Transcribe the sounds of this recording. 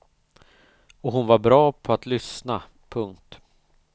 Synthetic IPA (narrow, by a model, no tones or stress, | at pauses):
ɔɦʊnvaɾbɾɑːpʰɔat̪lʏsna | pʰɵŋk̚t̪